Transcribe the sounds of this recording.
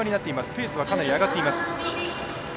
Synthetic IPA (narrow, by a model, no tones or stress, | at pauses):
oɲ̟inat̪ːe̞imasɨ̥pʲe̞ːsɨβakanaɾʲiaɡat̪ːeimasɨ̥